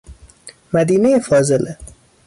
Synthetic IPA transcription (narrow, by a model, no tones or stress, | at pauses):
mæd̪iːnejefɒːzelʔe